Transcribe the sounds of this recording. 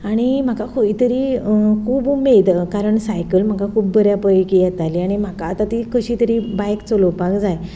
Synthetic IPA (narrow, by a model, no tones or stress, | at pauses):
aɽ̃im̤akakʰoit̪əɾiːkʰuːbmed̪kaɾəɳsajkəlm̤akakʰuːb̚bəɾjapəkijɛt̪aliaɽ̃im̤akaːt̪at̪ikəɕiːt̪əɾibajkt͡soləpakd͡zaj